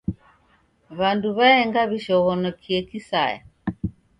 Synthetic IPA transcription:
βanduβaɛŋɡaβiʃɔɣɔnɔkʰiɛkisa̰ja̰

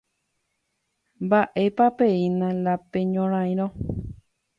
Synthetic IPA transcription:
mbaʔe̞papeinãlapẽɲõɾ̃ãj̃ɾ̃õ

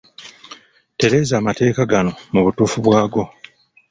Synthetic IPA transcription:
te̞ɾe̞ːzaːmate̞ːkaɡano̞muβutuːfuβwaːɡo̞

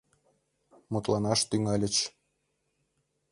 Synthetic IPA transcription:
mut̪lɑnɑʃt̪yŋɑlʲə̆t͡ɕ

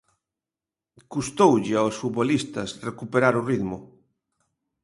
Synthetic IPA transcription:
kust̪owʎɪaosfut̪βolist̪asrekupeɾaɾuriðmʊ

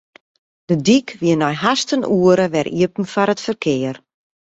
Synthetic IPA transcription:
d̥ədikʋiənɔjɦastənʔuəɾəʋɛrʔḭəpn̩fɔɾətfərkʰɪːər

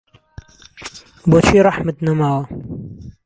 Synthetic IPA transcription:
bot͡ʃʰiɾˤɑħmət̪namawa

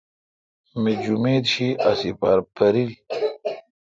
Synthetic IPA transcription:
med͡ʑumeːd̪ɕiɐsipɐ̰ɾpɐɾil

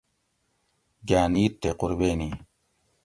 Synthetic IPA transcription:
ɡaːniːt̪ːeqʊɾbeːni

